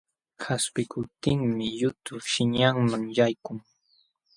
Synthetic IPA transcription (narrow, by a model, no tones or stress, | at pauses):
kʰaspɪkʰʊp̚t̪ɪŋmɪjʊt̪ʊʃɪɲaŋmaŋjajkʊŋ